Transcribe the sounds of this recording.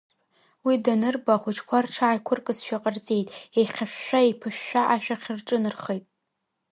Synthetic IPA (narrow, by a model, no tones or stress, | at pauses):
widanɨrbaχʷʊt͡ʃʰkʷʰarʈ͡ʂʰaʕajkʷʰʊrkʼɨsʃᶣaqʼərt͡sʼe̞jtʼejqʲaʃᶣːʷaipʰɨʃᶣːaʔaʃᶣaχʲɪrʈ͡ʂʼɨnɨrχejtʼ